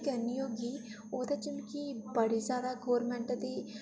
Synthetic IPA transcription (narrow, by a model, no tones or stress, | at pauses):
kɐɾnioːɡi | oːd̪et͡ʃɪnkibɐɽizjaːd̪aɡoːɾmɛ̃ɳʈd̪i